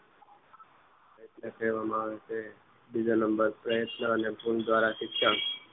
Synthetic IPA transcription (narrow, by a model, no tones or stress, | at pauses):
əjət̪nəkʰeʋamãese | bid͡ʒonəmbəɾpɾəjət̪nəːnepund̪ʋaɾaʃɪkʃan